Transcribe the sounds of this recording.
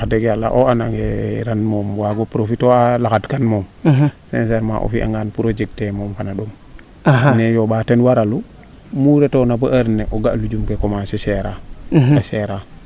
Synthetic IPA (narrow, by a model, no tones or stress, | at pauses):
adeɡjalːa̰ʔoanaŋeɾanmoːmwaɡopɾofitoalakatkanmoːmsɛ̰nseɾma̰ʔo̰fiʔa̰ŋɡanpuɾod͡ʒeɡ̚temɔːmfanaɗoŋ | aɦanɛjoɓatɛnwaɾalu | muɾetonabaʔaɾneʔɔɡaʔlud͡ʒumkekomasɛʃɛɾaaʃeɾa